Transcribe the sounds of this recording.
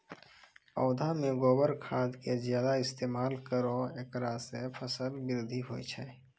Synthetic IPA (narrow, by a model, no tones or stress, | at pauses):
ɔːd̪ʱamẽɡoːbəɾkʰaːd̪kezjaːd̪aɪst̪eːmaːlkəɾoeːkɾaːsepʰəsəlbɪɾd̪ʱiɦoːḭt͡ʃʰɛ